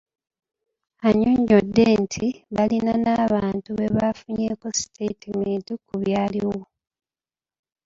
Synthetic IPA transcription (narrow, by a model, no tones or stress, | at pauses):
aɲuɲːodːeːntʰiβalinanaːβaːntuβe̞βafuɲeːko̞si̥tʰetimeːntikuβjaːliwo